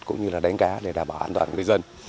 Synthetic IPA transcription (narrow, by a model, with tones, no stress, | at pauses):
kʊ̰˧˥ŋ͡mɲɨ˧laː˨˩ɗa˨˦ŋ̟kaː˨˦ɗe˧˩ɗaː˨˩mɓaː˨˩wʔaː˧nt̪waː˧˩nŋɨ˨˩əjzə˧n